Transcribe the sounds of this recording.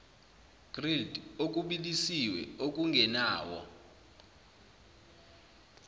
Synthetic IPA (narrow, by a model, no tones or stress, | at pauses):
ɡ̥rildok̬ʼuɓilisiwɛ̰ok̬ʼuŋɡʱɛnaːwɔ̰